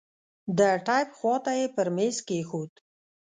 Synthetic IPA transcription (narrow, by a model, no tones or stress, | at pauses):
d̪əʈajpxwɑt̪ajepəɾmeskexot̪